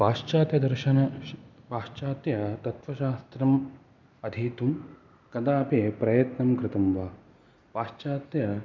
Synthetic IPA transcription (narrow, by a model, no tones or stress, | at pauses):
ʋaːʃt͡ʃaːt̪jɐd̪ɐɾʃɐnɐ | paːʃt͡ʃaːt̪jɐt̪ɐt̪ʋɐʃaːst̪ɾɐm | ɐd̪ʱiːt̪um | kɐd̪aːpepɾɐjɐt̪nɐmkɾɪt̪ɐmʋaː | paːʃt͡ʃaːt̪jɐ